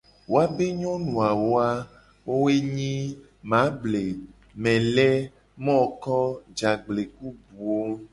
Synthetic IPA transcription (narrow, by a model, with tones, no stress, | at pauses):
wo˦a˦be˦ɲɔ̃˦nũ˨a˨wo˦a˦ | wo˦we˦ɲĩ˦ | mã˨˦ble˨ | mɛ̃˨lɛ˦ | mɔ̃˦˨kɔ˦d͡ʒa˨ɡ͡ble˨k̚u˦bu˨wo˦